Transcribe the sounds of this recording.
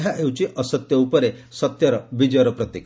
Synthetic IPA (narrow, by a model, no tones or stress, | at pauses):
ɦjaʔewt͡ɕiʔəsət̪jəupəɾesət̪jəɾʋid͡ʑəɾəpɾət̪jek